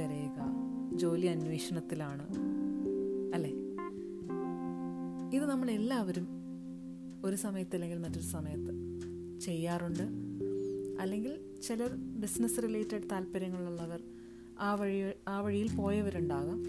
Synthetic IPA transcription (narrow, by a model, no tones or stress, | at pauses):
ɐɾeːɣɐd͡ʑo̞ːliɐnwe̞ːʂɐɳɐt̪ːilaːɳɨ | ɐlːeː | iðɨnɐmːɐɭe̞lːaːʋɐɾum | o̞ɾusɐmɐjɐt̪ːɐlːe̞ŋɡilmɐtːo̞ɾusɐmɐjɐt̪ːɨ | t͡ɕe̞jːaːruɳɖɨ | ɐlːe̞ŋɡil | t͡ɕilɐrbisnɐsɨrileːtːɐɖt̪aːlpɐɾɐŋːɐɭuɭːɐʋɐr | aːʋɐɻaːʋɐɻijilpo̞ːjɐʋɐɾuɳɖaːɣɐm